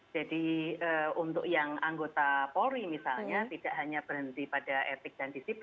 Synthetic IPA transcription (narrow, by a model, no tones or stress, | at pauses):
d͡ʒadiəunt̪ʊ̰k̚jaŋaŋɡot̪apoɾimisalɲat̪id̥aʔɦaɲab̥ərɦənt̪ipadaʔet̪ɪk̚d̥andisip